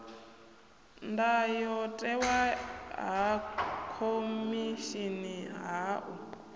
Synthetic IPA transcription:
ndajɔtʼɛwaɦakʰomiʃiniɦaʔu

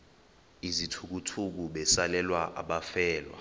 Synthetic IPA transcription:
izitʰuk̬utʰuk̬uɓɛsalɛlwaʔa̰ɓafɛːlwa̰

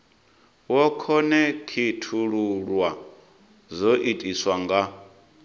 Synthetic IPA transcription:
wɔkʰɔnɛkʰitʰuɺuɺwa | zoʔitʼiswaŋɡa

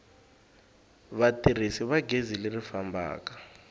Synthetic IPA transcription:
βatʼir̤isiβaɡʱezilɪrifambʱa̰ːkḁ

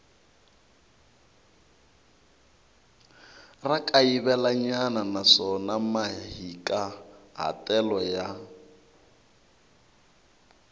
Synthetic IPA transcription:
rakʼaiβɛlaɲananaʂɔnamaɦikʼaɦa̰tʼɛlɔja

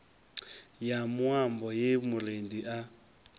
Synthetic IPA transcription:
jamwambɔjemuɾendiʔa

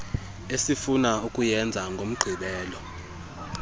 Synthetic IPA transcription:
esifunaukʼujɛnd͡zʱaŋɡʱom̩ɡ͡ǃʱiɓɛːlɔ

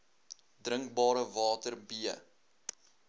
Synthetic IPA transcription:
drəŋkbɑːɾəvɑːtərbiə

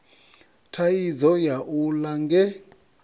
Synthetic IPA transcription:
tʰaizɔjaʔulaŋɡɛ

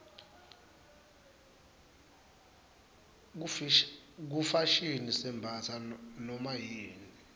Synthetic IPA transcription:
k̬ufaʃinisɛmbʱasʰanɔmajiːni

